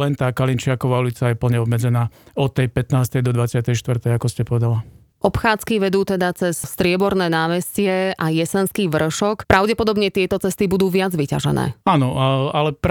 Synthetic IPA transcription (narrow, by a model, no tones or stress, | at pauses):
lɛnt̪aːkalint͡ʃɪakɔʋaːulit͡sajɛpl̩ɲɛɔbmɛd͡zɛnaːɔt̪ːɛjpɛt̪naːst̪ɛjd̪ɔd̪ʋat͡sɪat̪ɛjʃt̪ʋrt̪ɛjakɔscɛpɔʋɛd̪ala | ʔɔpxaːt͡skiʋɛd̪uːt̪ɛd̪at͡sɛsst̪ɾɪɛbɔɾnɛːnaːmɛscɪɛʔajɛsɛnskiːʋr̩ʃɔkpɾʔaʊɟɛpɔd̪ɔbɲɛt̪ɪɛt̪ɔt͡sɛst̪ibud̪uːʋɪad͡zʋica̰ʒɛ̰nɛ̰ːaːnɔalɛp